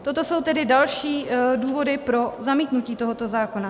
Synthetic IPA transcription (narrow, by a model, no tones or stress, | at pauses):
t̪o̞t̪o̞so̞wt̪ɛdɪdalʃiːduːvo̞dɪpɾo̞zamiːt̪nuciːt̪o̞ɦo̞t̪o̞zaːkona